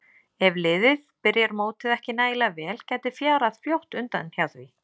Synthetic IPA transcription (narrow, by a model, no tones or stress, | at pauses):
ɛvlɪðɪðpɪɾjɛɾmoːwt̪ɪðɛhcɪnaːjlavɛːlcaːjt̪ɪ̥fjaːɾaðfjowht̪ʏnt̪anhjawθvi